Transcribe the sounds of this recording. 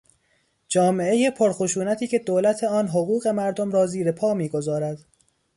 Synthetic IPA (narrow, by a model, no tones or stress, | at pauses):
d͡ʒɒːme̞eje̞pʰoɾxoʃuːnæt̪ʰiːcʰe̞d̪oːlæt̪ʰeɒːnɦoɣuːɣe̞mæɾd̪omɾɒːziːɾe̞pʰɒːmiːɡo̞zɒːɾæd̪̥